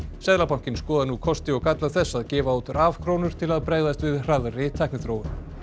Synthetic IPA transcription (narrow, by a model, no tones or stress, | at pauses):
sɛðlapawŋ̥cɪnskɔːðanukʰɔst̪ɪɔɣkat̪laθɛsːaðcɛːvaot̪ɾaːv̥kʰɾoːwnʏɾ̥t̪ʰɪlaðpɾeːɣðast̪vɪðr̥aðrɪt̪ʰːajknɪθɾoːwʏ